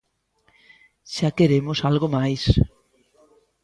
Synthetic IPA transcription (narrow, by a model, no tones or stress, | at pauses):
ʃakeɾemosalɣomajs